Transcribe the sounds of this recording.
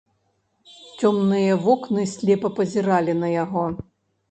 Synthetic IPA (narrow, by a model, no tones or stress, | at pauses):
t͡sʲɔmnɨjɐvɔknɨsʲlʲɛpɐpɐzʲiɾalʲinɐjaɣɔ